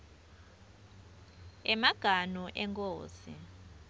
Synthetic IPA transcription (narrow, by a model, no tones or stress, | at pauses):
ɛmaɡ̥ʱanuʔɛŋkʼoːsḭ